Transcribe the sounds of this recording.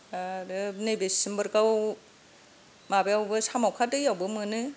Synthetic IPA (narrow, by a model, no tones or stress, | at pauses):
adɯnejbesɯmbɯɾkaw | mabejawbɯsamawkʰatɯjawbɯmɯnɯ